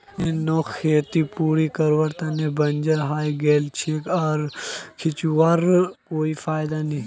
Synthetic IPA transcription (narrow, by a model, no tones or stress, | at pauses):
enokʰːeːt̪ipuːɾikɐɾʋəɾt̪anebɐnd͡ʒəɾɦaːjɡeːlt͡ʃʰeːkaːɾkʰɪt͡ʃuʋaɾkoːifaːjd̪anĩ